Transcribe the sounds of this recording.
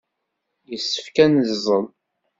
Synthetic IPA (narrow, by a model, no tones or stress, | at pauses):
jəsːə̥fkænəzzˤəl